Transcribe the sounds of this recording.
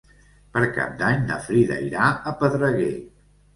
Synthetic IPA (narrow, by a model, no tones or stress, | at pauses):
pəɾka̰p̚d̪aɲnə̰fɾiðə̰iɾaəpəðɾəɣḛ